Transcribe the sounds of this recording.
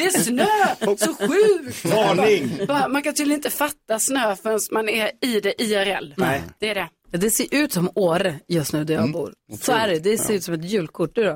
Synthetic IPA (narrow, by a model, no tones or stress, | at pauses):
d̪ɛːsnøːsɔɧʉ̟ːkt̪ːɪŋbɑmankant̪yːljnɪnt̪əfat̪ːasnøːfœɾɛnsmanɛɪd̪ɛʔiæɾɛ̰lːnɛd̪̥ɛæɖɛ | jɑːd̪ɛseːɾʔʉ̟ːt̪sɔmoːɾjɵst̪nʉ̟ːd̪æɾjɑːɡbṵːɾsɔæɖɛd̪ɛseːɾʉ̟ːt̪sɔmɛt̪jʉ̟ːlkʰʊʈ̚ːnʉːɾɔ